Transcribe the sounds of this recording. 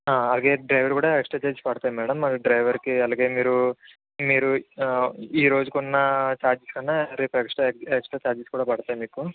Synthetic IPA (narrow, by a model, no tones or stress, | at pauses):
aːɐlaːɡe̞ːɖɾɐjʋɐɾkuːɽaeksʈɾat͡ʃaːɾd͡ʒspɐɽut̪aːjmɛːɽɐmɐɾiɖɾɐjʋɐɾkiɐlaːɡe̞ːmiːɾu | miːɾu | iːɾo̞ːd͡ʒukunːɐt͡ʃaːɾd͡ʒiskɐnːɐɾeːpekʂʈɐeksʈɾɐt͡ʃaːɾd͡ʒiskuːɽaːpɐɽt̪aːjimiːku